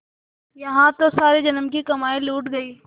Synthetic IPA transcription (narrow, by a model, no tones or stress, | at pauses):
jɐɦãt̪osaːɾed͡ʒɐnəmkikɐmaːiluːʈɡɐiː